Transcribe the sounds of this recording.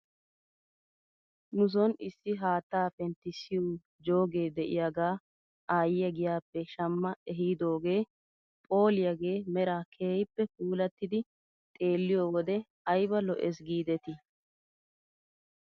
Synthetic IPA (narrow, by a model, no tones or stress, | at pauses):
nʊs̬ɔnɪsːɪɦaːt̪ːaːfɛnt̪ːɪsɪju | d͡ʒo̞ːɡe̞ːd̪ɛʔɪ̰jaɡaː | aːjɪjɐɡɪjaːpːɛʃɐmːɐɛɦiːd̪o̞ːɡe̞ː | pʼo̞ːlɪjɐɡeːmɛɾaːkʰeːjpːɛkuːlɐt̪ːɪd̪ɪ | t̪ʼe̞ːlːɪjoːwɔd̪ɛ | ɐjbɐlɔ̰ʔɛs̬ɡiːd̪ɛt̪ɪ